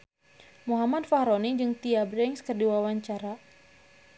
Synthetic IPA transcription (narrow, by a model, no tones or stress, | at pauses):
muɦamad̪̚fahɾonid͡ʒɨŋt̪iabɾɛŋskərdiwawaɲt͡ʃaɾa